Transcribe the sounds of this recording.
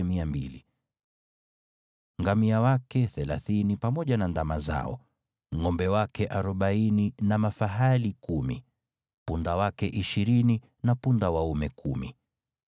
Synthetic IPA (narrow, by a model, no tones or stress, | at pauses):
miambḭli | ŋɡamiawakɛθɛlaθinipamɔʄanandamaza̰ɔ̰ | ŋɔmbɛwakɛʔaɾɔɓaininamafaɦalikumḭ | pundawakɛʔiʃiɾini | napundawaumɛkʰumḭ